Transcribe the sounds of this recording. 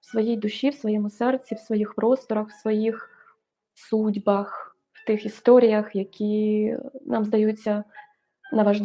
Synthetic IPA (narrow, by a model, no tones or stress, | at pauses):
wsʋɔjijd̪ʊʃʲiwsʋɔjɛmʊsɛrt͡sʲːiwsʋɔjixpɾɔst̪ɔɾɐxwsʋɔjix | sudʲbɐx | w̥t̪ɪxist̪ɔɾʲijɐxjɐkʲʰi | nʔɑmzd̪ɐjut͡sʲːɐ | nɐʋɐʒlˠ